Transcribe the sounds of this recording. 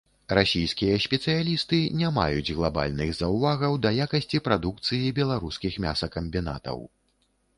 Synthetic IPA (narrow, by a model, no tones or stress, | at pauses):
rasʲijskʲijɐsʲpʲɛt̪sɨjalʲist̪ɨnʲama̰jud͡zʲɣlˠaba̰lʲnɨɣzɐwvaɣɐwd̪ɐjakɐsʲt͡sʲipɾad̪uk̚t̪sɨjibʲɛlˠaɾuskʲixmʲa̰sɐkɐmʲbʲina̰t̪ɐ̰w